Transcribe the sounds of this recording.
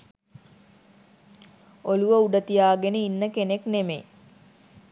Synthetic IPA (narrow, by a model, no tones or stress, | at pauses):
oluʋəuɖət̪ijaːɡenəinːəkeneknemḛ